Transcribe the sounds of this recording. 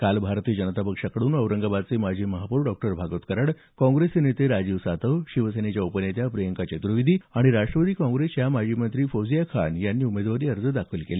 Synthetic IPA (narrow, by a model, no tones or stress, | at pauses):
kalbʱaɾt̪iːd͡ʑənət̪apəkʂakəɽuːnəwɾəŋɡabad̪̚t͡semad͡ʑʱiːməɦapuːɾɖɔk̚ʈəɾbʱaɡot̪kəɾəɽ | kɔ̃ŋɡɾesenet̪eɾad͡ʑiːʋsat̪əʋɕiʋəsenet͡ɕjaupənjet̪japɾəjəŋkat͡ɕet̪ɾuʋid̪ʱiːaɽ̃iɾaʂʈɾəʋəd̪iːkɔ̃ŋɡɾesjamad͡ʑimənt̪ɾiːfod͡zijakʰa̰njanːiːumed̪ʋaɾiːəɾd͡zəd̪akʰilkele